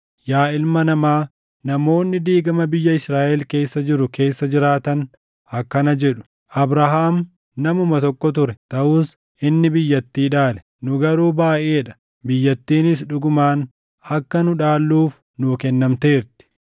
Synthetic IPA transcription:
jaːɪlmɐnɐmaː | nɐmo̞ːnːɪd̪iːɡɐmɐbɪjːɐɪsɾaːʔɛlke̞ːsːɐd͡ʒɪɾʊke̞ːsːɐd͡ʒɪɾaːt̪ɐn | ɐkːɐnɐd͡ʒɛᶑʊ̥ | ʔɐbɾaɦaːm | nɐmʊmɐt̪ɔkːɔt̪̬ʊɾɛt̪ɐʔuːs | ɪnːɪbɪjːɐt̪ːiːᶑaːlɛ̥ | nʊɡɐɾuːbaːʔeːᶑɐ̥ | bɪjːɐt̪ːiːnɪs̬ᶑʊɡʊmaːn | ɐkːɐnʊᶑaːlːuːf | nʊkɛnːɐmt̪eːɾt̪ɪ̥

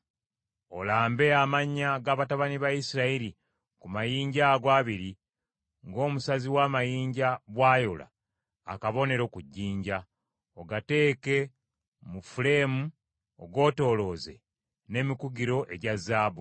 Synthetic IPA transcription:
o̞laːmbe̞amaɲːaɡaːβataβaniβajisiɾaiɾi | kumajiːɲɟaɡwaːβiɾi | ŋɡo̞ːmusaziwaːmajiːɲɟaβwaːjola̰ː | kaβo̞ne̞ɾo̞kuɟːiːɲɟa | oɡate̞ːke̞ | mufule̞mu | oɡo̞ːto̞ːlo̞ːze̞ | ne̞ːmikuɡiɾo̞ʔe̞ɟazːaːbu

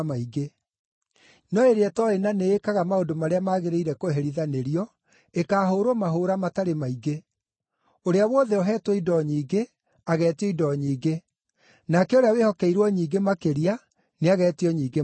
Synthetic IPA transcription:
maiɡe | nɔeɾeɛtɔenaneːkaɣamaondomaɾeamaːɣeɾeiɾɛkoɦɛɾiðaneɾiɔ | ekaːɦoːɾomaɦoɾamataɾemaiɡe | oɾeawɔðɛoɦɛːtwɔidɔɲiːɡe | aɣɛːtiɔidɔɲiːɡe | nakɛoɾeawehɔkɛiɾwɔɲiːɡemakeɾia | neaɣɛːtiɔɲiːɡe

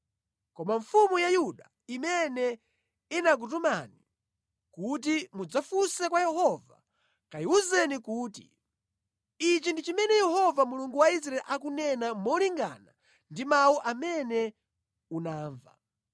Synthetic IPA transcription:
kɔmaɱfumujajuɗa | imɛnɛ | inak̬ut̬umani | kut̬imud͡zafusɛkwajɛɦɔva̰ | kajiuzɛnikuːtḭ | it͡ʃindit͡ʃimɛnɛjɛhɔvamuluŋɡuwais̬ɾaɛlʔak̬unɛnamɔliŋɡa̰na | ndimawuʔamɛnɛ | unaːɱva̰

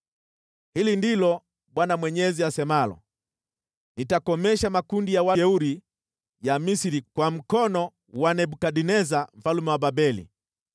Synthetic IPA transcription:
hilindilɔ | ɓwanamwɛɲɛziasɛmalɔ̰ | nitakɔmɛʃamakundijawaɛuɾi | jamisiɾikwam̩kɔnɔ | wanɛbukaɗinɛzam̩falumɛwababɛlḭ

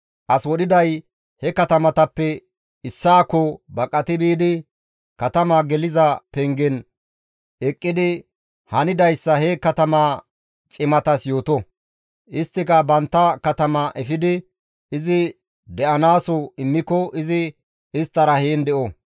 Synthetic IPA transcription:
ʔɐswɔɗɪd̪ɐj | hɛkɐt̪ɐmɐt̪ɐpːɛ | ɪsːaːkːɔbɐkʼːɐt̪ɪbiːd̪ɪ | kɐt̪ɐmaɡɛlɪzɐpɛŋɡɛn | ɛkʼːɪd̪ɪ | hɐnɪd̪ɐjsːɐhɛkɐt̪ɐmaː | t͡ʃʼɪmɐt̪ɐsjo̞ːt̪ɔ | ʔɪst̪ːɪkɐbɐnt̪ːɐkɐt̪ɐmɐʔɛfɪd̪ɪ | ɪzɪ | d̪ɛʔɐnaːsɔɪmːɪkːɔʔɪzɪ | ɪst̪ːɐɾɐheːnd̪ɛʔɔ

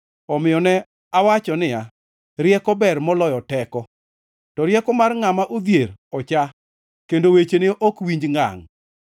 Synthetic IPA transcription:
ɔmɪjɔnɛ | awat͡ʃɔnɪja | ɾjɛkɔbɛrmɔlɔjɔtɛkɔ | tɔɾjɛkɔmarŋamaʔod̪jeɾɔt͡ʃa | kendowet͡ʃenɪʔɔkwiɲd͡ʒŋa̰ŋ

